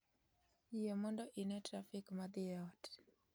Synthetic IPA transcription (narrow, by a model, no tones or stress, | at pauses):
jemɔndɔʔinɛtɾafɪkmad̪ɪɔt